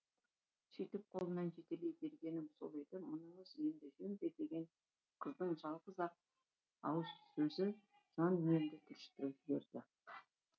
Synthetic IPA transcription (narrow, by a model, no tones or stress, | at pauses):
ʃejt̪ɪp̚qʰo̞lˠənɑnʒe̞t̪e̞lejbe̞ɾɡʲe̞nɪmso̰lˠejd̪əmʊnəɴəzend̪ɪʒmd̪ed̪e̞ɡʲe̞n | qʰəzd̪əɴʒɑlˠʁəzɑq̚ | ɑ̰wəzsɵzɪ | ʒ̥ɑnmeɪnd̪ɪt̪ʰʏɾʃt̪ɪɾɪpbeɾd̪̥ɪ